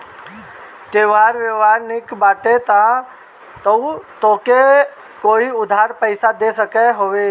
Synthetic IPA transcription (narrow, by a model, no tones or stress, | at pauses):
t̪eʋaːɾʋəʋaːɾnɪkbaːʈet̪a | t̪əut̪oːke | koːiʊd̪ʱaːɾpəɪsad̪esəkeɦoʋe